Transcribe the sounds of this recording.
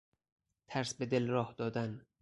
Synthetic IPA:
t̪ʰæɾsbe̞d̪elrɒːhd̪ɒːd̪æn

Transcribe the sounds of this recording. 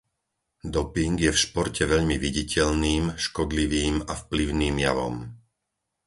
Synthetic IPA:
d̪ɔpiŋɡjɛfʃpɔɾcɛʋɛʎmiʋiɟicʰɛʎniːmʃkɔd̪liʋiːmafpliʊniːmjaʋɔ̰m

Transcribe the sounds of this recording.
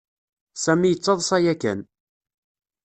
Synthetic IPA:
sæmijət͡sːɑðˤsˤɑjækæ̰n

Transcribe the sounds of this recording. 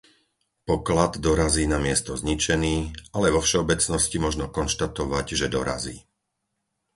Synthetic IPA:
pɔklad̪d̪ɔɾaziːnamɪɛst̪ɔzɲit͡ʃɛniːalɛʋɔfʃɛɔbɛt͡snɔscimɔʒnɔkɔnʃt̪at̪ɔʋaɟʒɛd̪ɔɾa̰ziː

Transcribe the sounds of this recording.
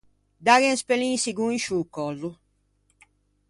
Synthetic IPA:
d̪aɣɛnspelĩsiɡuinʃukːɔzu

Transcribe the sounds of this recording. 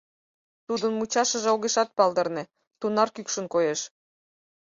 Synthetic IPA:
t̪ud̪ənmut͡ɕɑʃə̆ʒĕoɣeʃɑt̪̚pɑld̪ɤ̆rnĕ | t̪unɑrkykʃə̆nkojeʃ

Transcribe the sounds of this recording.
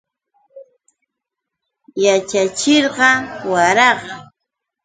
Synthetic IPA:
jat͡ʃat͡ʃɪɾɢɑwaɾɑɢɑ

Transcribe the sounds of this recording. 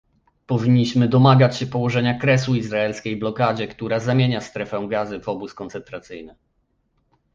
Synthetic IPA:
pɔvʲiɲːiɕmɘd̪ɔmaɡat͡ɕɕɛpɔwɔʐɛɲakɾɛs̬uizɾaɛlskʲejblɔkad͡ʑɛkt̪uɾazamʲjeɲast̪ɾɛfɛ̃ɡazɘvɔbuskɔnt̪sɛnt̪ɾat̪sɘjnɘ

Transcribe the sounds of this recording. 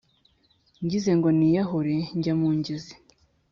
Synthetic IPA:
ɲɟize̞ŋɡonijaɦuɾeɲɟamuːɲɟizi̥

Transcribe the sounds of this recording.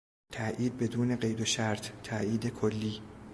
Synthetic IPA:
t̪ʰæʔiːd̪̚be̞d̪uːne̞ɢe̞jd̪oʃæɾt̪ʰt̪ʰːæiːd̪e̞kʰolːiː

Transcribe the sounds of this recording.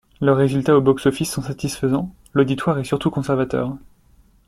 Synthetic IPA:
lœʁːezylt̪aobɔksɔfisːɔ̃sat̪isfəzɑ̃ | lod̪it̪waʁɛsyʁt̪ukɔ̃sɛʁvat̪œ̰ːʁ

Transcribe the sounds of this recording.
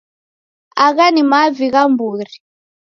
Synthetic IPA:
aɣanimaviɣambuːɾi

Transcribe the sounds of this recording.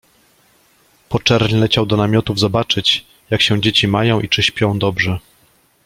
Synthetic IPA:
pɔt͡ʂɛɾɲlɛt͡ɕawd̪ɔnamʲjɔt̪uvzɔbat͡ʂɘt͡ɕ | jakɕɛ̃d͡ʑet͡ɕimajɔ̃w̃ʔit͡ʂɘɕpʲjɔ̃w̃d̪ɔbʐɛ

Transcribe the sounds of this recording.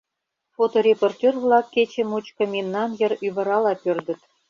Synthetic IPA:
fot̪orʲeport̪ʲørβlɑkːet͡ɕĕmut͡ɕkɤ̆mʲinːɑnjə̆ryβə̆ɾɑlɑpørd̪ə̆t̪

